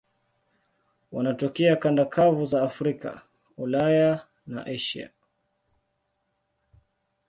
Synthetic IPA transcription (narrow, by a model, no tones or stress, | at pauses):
wanatɔkɛakandakʰavuzaːfɾika̰ | ulaja | na̰ʔɛʃia̰